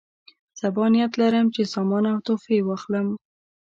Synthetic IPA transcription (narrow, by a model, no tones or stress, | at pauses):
sabɑnijat̪laɾəmt͡ʃesɑmɑnawt̪ofewɑxləm